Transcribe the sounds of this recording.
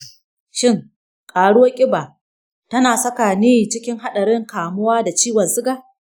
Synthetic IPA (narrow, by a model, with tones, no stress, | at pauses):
ʃɪ˦˨ŋ | kʼaː˨ɽʊ˦wo˦kʲʼɪ˦baː˨ | tɐ˦naː˨sɐ˦kaː˨niː˦t͡ʃɪ˦kʲɪ˦ŋɦa˦ɗɐ˨ɾɪ˦ŋkaː˨mʊ˦waː˦da˨t͡ʃiː˦wɐ˨nsɪ˦ɡaː˦